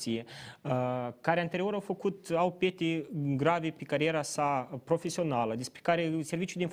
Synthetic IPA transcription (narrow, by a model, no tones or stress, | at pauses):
ije | kaɾeant̪e̞ɾio̞ɾawfəkut̪awpjet̪iɡɾavepekaɾieɾasapɾo̞fesio̞naləd̪espɾe̥kaɾeservit͡ʃud̪einf